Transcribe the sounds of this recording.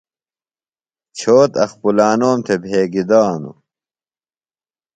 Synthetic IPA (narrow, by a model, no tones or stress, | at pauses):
t͡ɕʰoːt̪ɐxpulaːnoːmt̪ʰebʱeːɡid̪aːnṵ